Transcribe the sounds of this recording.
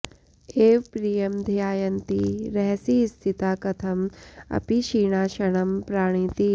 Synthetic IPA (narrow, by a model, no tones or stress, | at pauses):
eːʋpɾiːjɐmd̪ʱijaːjɐnt̪iɾɛɦsist̪ʰit̪aːkɐt̪ʰɐmɐ̰piʃiːɳ̃aːʃɐɽ̃ɐmpɾaːɽ̃it̪i